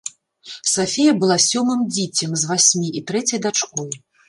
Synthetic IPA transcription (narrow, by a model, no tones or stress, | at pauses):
safʲejɐbɨlˠasʲɔmɨmd͡zʲit͡sʲɛmzvasʲmʲiʔit̪ɾɛt͡sʲɐjd̪at͡ʂkɔj